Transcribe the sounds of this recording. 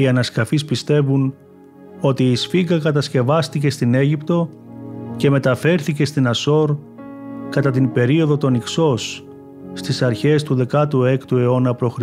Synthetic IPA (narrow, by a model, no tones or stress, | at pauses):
iɐnɐskɐfispist̪e̞vun | o̞t̪iːsfiɡɐkɐt̪ɐsce̞vɐst̪ice̞st̪ineʝipt̪o̞ | ce̞me̞t̪ɐfe̞ɾθice̞st̪inɐso̞ɾ | kɐt̪ɐt̪̬inbe̞ɾio̞ðo̞t̪o̞nikso̞sː | t̪isɐɾçe̞st̪uðe̞kɐt̪ue̞kt̪ue̞o̞nɐpɾo̞xɾi